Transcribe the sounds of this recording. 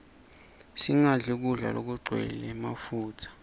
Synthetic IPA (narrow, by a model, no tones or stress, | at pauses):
siŋaɮik̬uɮa̰lo̰k̬uɡ͡ǀʱwɛ̰lɛmafuːtʰḁ